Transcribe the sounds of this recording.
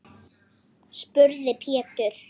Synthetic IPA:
spʏɾðɪpʰɛːt̪ʏɾ̥

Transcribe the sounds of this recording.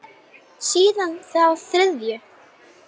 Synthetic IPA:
siːðanθawθɾɪðjʏ

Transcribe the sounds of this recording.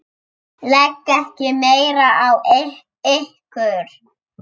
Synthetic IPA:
lɛkːɛhcɪmeːjɾaaw | ehkʏɾ̥

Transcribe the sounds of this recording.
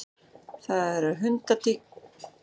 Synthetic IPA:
θaðɛɾaɾɦʏnt̪at̪ik

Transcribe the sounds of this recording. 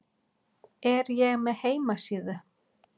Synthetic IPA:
ɛɾjɛɣmɛðheːjmasiːðʏ

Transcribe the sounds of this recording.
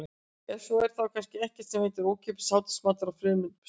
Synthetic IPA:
ɛsɔɛɾ̥θawkʰanscɪɛhcɛ̥t̪sɛmhɪːt̪ɪɾoːwcʰɛːpʏ̥saːwt̪ɪ̥smaːt̪aɾawfɾʏːmɪnp

